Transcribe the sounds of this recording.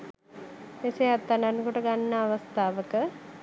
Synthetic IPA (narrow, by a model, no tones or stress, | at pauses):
eseat̪ːaɳɖanəkuʈəɡanːəːʋəst̪ʰaːʋəkə